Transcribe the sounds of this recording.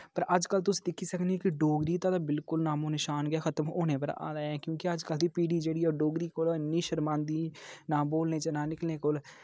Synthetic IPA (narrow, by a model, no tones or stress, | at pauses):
pəɾʔəd͡ʒkəlt̪̬ʊsiːd̪ɪkʰːiːsəknikɪɖoːɡɾiːt̪aːd̪aːbɪlkʊlnaːmõːnɪʃaːnɡɛːxʰət̪əmoːnẽːp̬əɾ̰a̰ːlaːɛ̃ːkjõːkɪəd͡ʒkəld̪iːpiːɖiːd͡ʒeːɽiːɔːɖoːɡɾiːkolnːiːʃəɾmãːnd̪iːnãːboːlnẽːt͡ʃənãːnɪklnẽːkol